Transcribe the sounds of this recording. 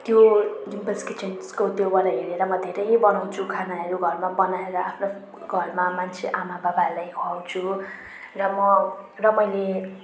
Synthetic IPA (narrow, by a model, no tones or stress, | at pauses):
t̪jod͡zimpʌlskit͡ʃenskot̪jobaɾaɦeɾeɾʌmʌd̪ʱeɾʌjbʌnaw̃t͡sʰukʰanaʌɾuɡʱʌrmabʌnaeɾʌapʰno | ɡʱʌrmamant͡sʰeʔamababalajɦoaw̃t͡sʰu | rʌmʌrʌmʌjle